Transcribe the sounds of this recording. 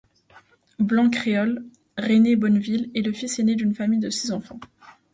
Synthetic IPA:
blɑ̃kχeɔl | ʁenebɔnvileləfisened̪ynfamijd̪əsizɑ̃fɑ̃

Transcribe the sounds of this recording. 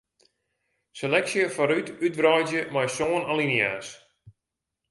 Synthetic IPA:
selɛksjəfaɾytyt̚brɔjzjəmajsoːnalinjaːs

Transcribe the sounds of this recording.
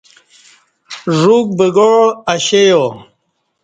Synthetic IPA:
ʐuk̚bəɡoɻɐɕejo

